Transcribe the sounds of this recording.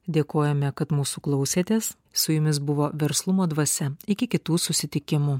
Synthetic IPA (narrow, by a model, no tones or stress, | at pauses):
d̪ʲeːkoːjɛmʲɛkɐt̪muːsuːklˠɐʊsʲeːt̪ʲeːs | sʊjʊmʲɪs̬bʊʋoːʋʲɛɾslˠʊmoːd̪ʋɐsʲɛɪkʲɪkʲɪt̪uːsʊsʲɪt̪ʲɪkʲɪmuː